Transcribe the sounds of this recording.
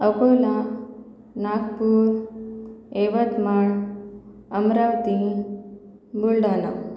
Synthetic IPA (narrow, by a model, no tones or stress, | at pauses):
əkojla | nakpuɾ | eʋət̪maɳ | əmɾaʋt̪i | bulɖana̰